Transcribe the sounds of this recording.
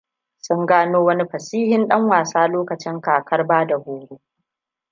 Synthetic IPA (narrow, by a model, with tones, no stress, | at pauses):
sʊ˦ŋɡaː˦noː˦wɐ˦ni˦ɸɐ˨siː˦hɪ˦nɗɐ˦ŋwaː˨saː˦loː˦kɐ˨t͡ʃɪ˦ŋkaː˨kʰɐ˦rbaː˦da˨hoː˨ɽu˦